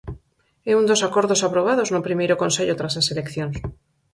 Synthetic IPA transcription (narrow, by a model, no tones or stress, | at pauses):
eund̪osakoɾðosapɾoβ̞að̞oznopɾimejɾokonseʎot̪ɾasaselekθjons